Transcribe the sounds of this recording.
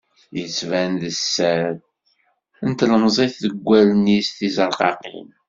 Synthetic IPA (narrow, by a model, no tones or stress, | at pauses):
jət͡sːvænðəsːæð | ənt̪ləmzˤeθðəɡʷːælnist̪izɑɾˤqɑ̰qḭn